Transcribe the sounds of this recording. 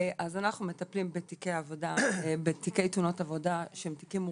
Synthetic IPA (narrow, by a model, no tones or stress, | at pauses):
ʔazanaχnumetɐplimbetikejavo̞dabetikejt̪uno̞tavo̞daʃemtikim